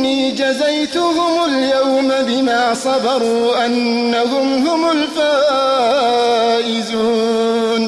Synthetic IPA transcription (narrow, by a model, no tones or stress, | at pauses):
iːd͡ʒazajt̪ʊhʊmʊljawmabɪmaːsˤɑbɑɾˤuːʔanːahʊmhʊmʊlfaː | ʔɪzuːn